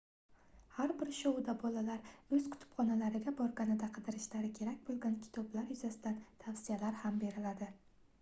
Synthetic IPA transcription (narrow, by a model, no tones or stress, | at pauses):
haɾbɪɾʃɒwd̪abɒlalaɾɵz̥kʰʊ̥t̪ʰʊ̥pχɒnalaɾɪɡʲabɒɾɡʲanɪd̪aqʰɨd̪ɪɾɪʃlaɾɪkʲʰe̞ɾakʲbolˠɡʲankʲʰɪ̥t̪ʰɒblaɾjʊzasɪd̪ant̪ʰafsijalaɾhambe̞ɾɪlad̪ɪ